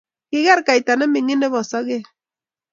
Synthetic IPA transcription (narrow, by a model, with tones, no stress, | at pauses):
kɪ˦ɣɛ˦ɾka˨i˨ta˨nɛ˦mɪ˨ŋɪ˦nɛ˦βɔ˨sɔ˦ɣe˦